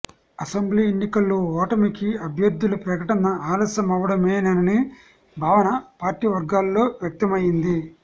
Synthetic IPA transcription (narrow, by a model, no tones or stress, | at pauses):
ɐsɐmbliːenːikɐlːoːɔːʈɐmikiɐbʱjɐɾd̪ːulupɾɐkɐʈɐnɐaːlɐːsɐmɐʋɐɽɐmeːnɐnɐni | bʱaːʋɐnɐpaːɾʈiːʋɐɾɡaːlːo̞ːʋjɐk̚t̪ɐmɐjind̪i